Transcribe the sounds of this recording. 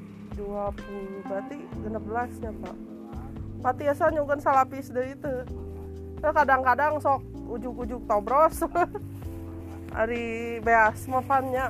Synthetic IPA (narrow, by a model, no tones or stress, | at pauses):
duapulbat̪iɡənəp̚bəlasɲapa̰ʔ | pat̪iasaɲuɡənsalapɪsdaɾit̪u | sakadaŋkadaŋsɔk̚ | ud͡ʒʊkud͡ʒʊk̚t̪obɾɔs | a̰ɾibeasmafanɲa